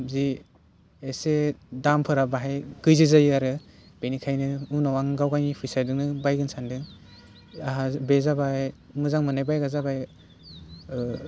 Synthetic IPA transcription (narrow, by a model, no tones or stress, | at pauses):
zi | esedampʰɯɾabaɦajɡɯjzɯzajaɾɯ | b̥enikʰajnɯunawaŋɡawɡaŋipʰɯjsajdɯŋnɯbajɡɯnsʰandɯ | aɦabezabaj | mɯzaŋmɯnajbajɡazabaj